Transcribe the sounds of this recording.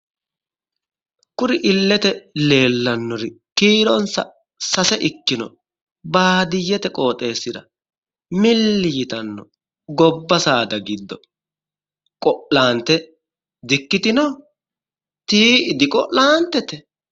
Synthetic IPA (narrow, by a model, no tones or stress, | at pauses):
kʊɾɪʔɪlːɛt̪ɛle̞ːlːɐnːɔɾɪkiːɾɔnsɐ̰ | sɐsɛʔɪkːɪnɔ̰ | baːd̪ɪjːɛt̪ɛkʼo̞ːt̪ʼe̞ːsːɪd̪ɐ̰ | mɪlːɪjɪt̪ɐnːɔ | ɡɔbːɐsaːd̪ɐɡɪd̪ːɔ | kʼɔʔlaːnt̪ɛ | d̪ɪkːɪt̪ɪnɔ | t̪iːɪd̪ɪkʼɔʔlaːnt̪ːɛt̪ɛ